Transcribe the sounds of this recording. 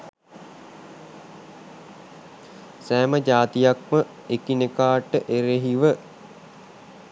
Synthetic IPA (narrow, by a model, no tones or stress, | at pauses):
sæːməd͡ʒaːt̪ijak̚mə | ekinekaːʈəʔeɾeɦiʋə